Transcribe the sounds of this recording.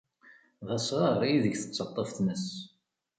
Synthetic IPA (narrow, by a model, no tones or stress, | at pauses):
ðˤɑsʁɑɾˤijiðəɡθət͡sːɑt̪ˤːəfθnəs